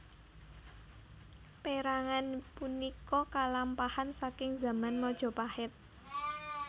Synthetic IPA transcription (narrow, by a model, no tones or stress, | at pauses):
peɾaŋanpunikɔkalampahansakɪŋza̤manmɔd̥ʒ̥ɔ̤pahɪt̪̚